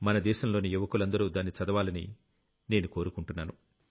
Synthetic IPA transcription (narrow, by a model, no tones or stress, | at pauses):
mɐnɐd̪ɛːʃɐmlo̞ːnijuʋɐkulɐnd̪ɐɾuːd̪aːnːit͡ʃɐd̪ɐʋaːlɐnḭ | ne̞ːnuko̞ːɾukuɳʈunːaːnu